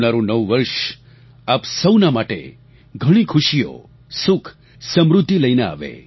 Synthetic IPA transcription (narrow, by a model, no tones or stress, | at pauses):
naɾũnəʋʋəɾʃ | apsəwnamaʈḛ | ɡʱəɽ̃ikʰʊʃijo̰ | sʊkʰ | səmɾʊd̪ʱːiləinea̰ʋḛ